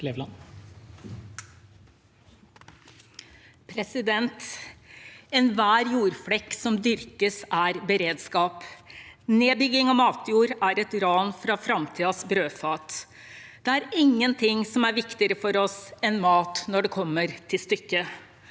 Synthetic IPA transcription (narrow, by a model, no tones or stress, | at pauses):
leʋlɑn | pʰɾɛsɪd̪ɛnt̪ | ɛnʋæːɾjuːɾfɽɛksɔmd̪ʏɾkəsæɾbəɾeːd̪skɑːp | neːbʏɡɪŋɑmɑːt̪ʰjuːɾæɾɛt̪ɾɑːnfɾɑfɾɑmt̪ʰiːɑsbɾøːfɑːt̪ | d̪̥ɛæɾɪŋːənt̪ʰɪŋsɔmæɾʋɪkt̪ɪəɾəfɔɾɔsɛnmɑːt̪nɔɖɛkʰɔmːəɾt̪ʰɪlst̪ʏkːə